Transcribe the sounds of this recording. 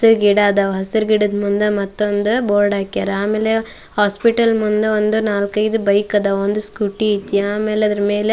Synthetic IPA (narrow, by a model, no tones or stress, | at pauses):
ɐsiɾɡiɽaːd̪ɐʋɦɐsiɾɡiɽɐd̪mund̪ɐmɐt̪ːond̪uboːɾɖaːkːiaɾaːmeːle | haːspiʈɐlmund̪eond̪unaːlkɐjd̪ubɐjkɐd̪ɐond̪uskuʈiit̪ːiaːmeːleɐd̪ɐɾɐmeːle